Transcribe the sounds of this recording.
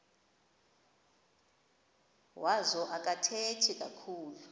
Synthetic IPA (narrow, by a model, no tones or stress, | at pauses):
wazɔʔak̬ʼatʰetʰikʼakʰuːlu